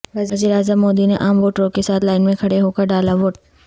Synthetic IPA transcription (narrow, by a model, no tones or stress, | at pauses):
ʋɐzɐziːɾaːzəmːoːd̪ineʔaːmʋoːʈɾõkesaːt̪ʰlaːɪnmẽkʰɐɽeɦoːkəɾɖaːlaʋoːʈ